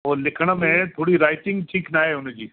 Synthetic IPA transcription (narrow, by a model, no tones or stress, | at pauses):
ɔːɾlɪkʰɽ̃amẽt̪ʰoːɽiɾaːɪʈɪ̃ŋɡʈʰiːknaːeʊned͡ʒiː